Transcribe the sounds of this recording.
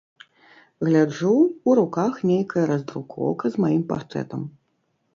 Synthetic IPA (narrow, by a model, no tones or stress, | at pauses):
ɣlʲad͡ʐuuɾukaxnʲejkɐjɐɾɐzd̪ɾukʰɔ̰wkɐzmajimpa̰rt̪ɾɛ̰t̪ɐm